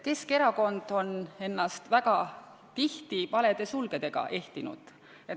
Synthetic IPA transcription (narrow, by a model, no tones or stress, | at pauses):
ke̞ske̞ɾɑko̞nd̪̥o̞ne̞nːɑst̪væɡ̥ɑ | t̪iht̪ipɑle̞d̪̥e̞sulɡ̥e̞d̪̥e̞ɡ̥ɑ̰ʔe̞ht̪inṵd̪̥ | et̪